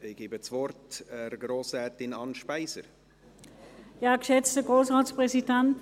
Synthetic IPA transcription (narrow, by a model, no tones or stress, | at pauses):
ɪɡ̥iːbət͡svɔɾtɛɾɡɾoːsɛːt̪ɪnɑnʃpæɪsə̰ɾ | jaːɡʃɛt͡stəɡ̥ʁoːsʁaːt͡sspʁɛsidɛnt